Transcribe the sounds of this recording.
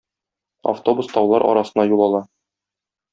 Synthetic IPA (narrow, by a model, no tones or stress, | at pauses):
a̰ft̪o̞bust̪ɒwlˠɑɾʔɒ̰ɾɑsɤ̆nɑjulˠɒlˠɑ